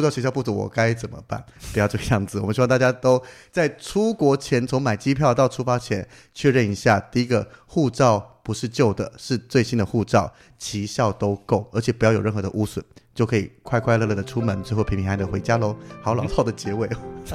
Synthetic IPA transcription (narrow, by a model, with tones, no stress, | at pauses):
u˥˧ɑ˥˧ʊɕʰɛ˧˥jʊpu˥˩u˧˥wɔ̰˨˩ka˥ɪt͡sə˨˩nmə̰˧˦pa̰˥˩npu˧˥jʊʈ͡ʂɤ˥˧˩ə˧jɑ˥˩ŋd͡zɹ̩˨˩ɔ˨mənɕi˥˧t̪a˥˩t͡ɕja˥t̪o˥ʊt͡sa˥˩ɪʈ͡ʂʰu˥kwɔ˧˥t͡ɕʰjɛ˧˥nt͡sʰʊ˧˥ŋma˨˩ɪt͡ɕi˥pʰjɑ˥˧ʊt̪ɑ˥˩ʊʈ͡ʂʰu˥fa˥t͡ɕʰjɛ˧˥n | t͡ɕʰɥɛ˥˧ɻə˥˩ni˧˥ɕja˥˩t̪i˥˧i˥ɡə˧xu˥˧ʈ͡ʂɑ˥˩ʊpu˧˥ʂɻ̩˥˧t͡ɕjo˥˩ʊd̪ə˩ʂɻ̩˥˧t͡swe˥˩ɪɕi˥nd̪ə˨xu˥˧ʈ͡ʂɑ˥˩ʊ | t͡ɕʰi˧˥ɕjɑ˥˩ʊt̪o˥ʊko˥˩ʊə˞˧˥t͡ɕʰjɛ˨˩pu˧˥jɑ˥˩jo˨˩ɻə˥˩nxɤ˧˥d̪ə̰˧ʔu˥swə̰˨˩nt͡ɕjo˥˩ʊkʰɤ˧˥ḭ˨˩kʰwa˥˧ɪkʰwa˥˧ɪlɤ˥˧˩lɤ˥˩d̪ə˩ʈ͡ʂʰu˥mə˧˥nʈ͡ʂɻ̩˥xo˥˩pʰi˧˥ŋpʰi˧˥xa˧˥d̪ə˨˩xwe˧˥ɪt͡ɕja˥lo˧˥ʊxɑ˧˥ʊlɑ˨˩t̪ʰɑ˥˩ʊd̪ə˩t͡ɕjɛ˧˥we˥˩ɪ